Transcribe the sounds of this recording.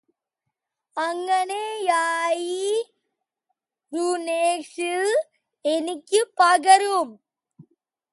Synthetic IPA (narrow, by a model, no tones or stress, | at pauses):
ɐŋɡɐnejaːji | ɾuneːkʂɯl | ɛnikʲːɯpːaɡɐɾum